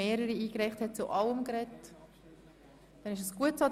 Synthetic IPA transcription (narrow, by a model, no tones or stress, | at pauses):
eːɾəɾiiːkrɛɪχthɛt̚t͡suʔɑləmkɾɛt | d̥ɛnɪʃəsɡ̥uətsɑ